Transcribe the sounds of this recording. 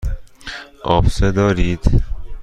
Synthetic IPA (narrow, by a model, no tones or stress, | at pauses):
ɒːfsed̪ɒːɾiːd̪